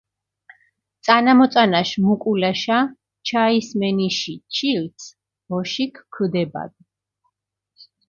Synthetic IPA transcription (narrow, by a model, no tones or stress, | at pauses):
t̪sʼanamɔt̪sʼanaʃmukʼulaʃa | t͡ʃʰaismɛniʃit͡ʃʰilt̪sʰ | bɔʃikʰkʰd̪ɛba̰d̪̚